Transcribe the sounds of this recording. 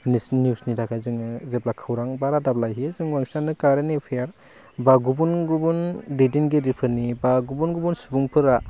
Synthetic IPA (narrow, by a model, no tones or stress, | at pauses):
nisnjusnitʰakʰazɯŋɯzeplakʰɯwɾaŋbaɾadaplajɦizɯŋwaŋsanɯkaɾenepʰejaɾ | baɡubunɡubundedinɡedipʰɯɾnibaɡubunɡubunsubuŋpʰɯɾa